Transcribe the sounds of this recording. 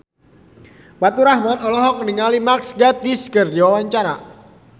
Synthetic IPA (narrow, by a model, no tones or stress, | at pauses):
pat̪uɾahmanɔlɔɦɔk̚əniŋalimaksɡat̪iskərdiwawaɲt͡ʃaɾa